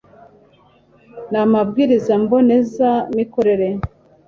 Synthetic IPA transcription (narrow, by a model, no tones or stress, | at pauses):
namabɡiːɾizambo̞ne̞zamikoɾe̞ɾe